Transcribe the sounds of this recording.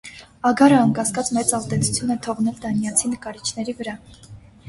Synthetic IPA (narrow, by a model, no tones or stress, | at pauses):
ɑɡɑɾəɑŋkɑskɑt͡smɛt͡sɑzd̪ɛt͡sʰu̥t͡sʰjunɛt̪ʰɔʁnɛld̪ɑnjɑt͡sʰinəkɑɾit͡ʃʰnɛɾivəɾɑ